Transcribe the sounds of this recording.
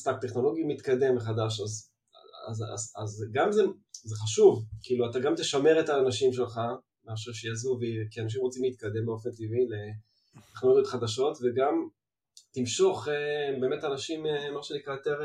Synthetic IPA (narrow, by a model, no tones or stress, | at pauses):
st̪ak̚t̪eχno̞lo̞ɡimit̪kad̪e̞mveχad̪aʃaz | a̰za̰zazɡamzezeχaʃuvkiːluat̪aɡamt̪eʃame̞ʁet̪aːnaʃimʃe̞lχa | maʃ̬uʃejazuvekianaʃ̬imʁot͡simliːt̪̚kad̪e̞mbeo̞fe̞nt̪ivile | t̪eχnolo̞ɡjo̞t̪χad̪aʃo̞t̪veɡam | t̪imʃo̞χebe̞ːme̞tanaʃimemaʃenikʁat̪eʁ